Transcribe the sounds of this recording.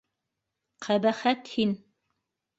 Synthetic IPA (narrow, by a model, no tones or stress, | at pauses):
qʰæbæχæt̪hin